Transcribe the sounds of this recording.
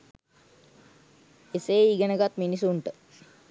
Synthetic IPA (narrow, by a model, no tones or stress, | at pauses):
eseːiːɡənəɡat̪minisuɳʈə